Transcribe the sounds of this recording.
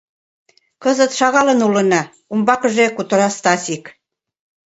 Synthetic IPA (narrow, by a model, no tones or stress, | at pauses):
kɤzə̆t̪ʃɑɣɑlə̆nulə̆nɑ | umbɑkɤ̆ʒekut̪ə̆ɾɑst̪ɑsik